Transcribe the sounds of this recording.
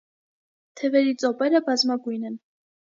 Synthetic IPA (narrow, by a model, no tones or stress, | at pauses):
t̪ʰɛvɛɾit͡sʼɔpɛɾəbɑzmɑɡujnɛn